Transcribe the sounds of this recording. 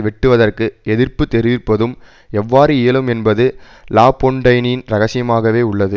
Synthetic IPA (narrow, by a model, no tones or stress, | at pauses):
ʋɪʈːɯʋɐðɐrkɯɛðɪrpɯt̪ːɛɾɪʋɪrpːɐðɯm | ɛʋːaːɾɯɪjɐlɯmɛnbɐðɯ | laːpːoɳɖɐɪnnɾɐɣɐsɪjɐmaːɣɐʋeːʊɭːɐðɯ